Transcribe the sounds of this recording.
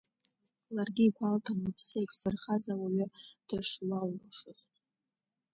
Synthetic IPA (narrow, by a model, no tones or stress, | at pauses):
larɡʲiːkʷʰaltʰamlapʰsejkʷʰʼsɨrχazawaɥʏd̥ɨʂlalːaʂɨz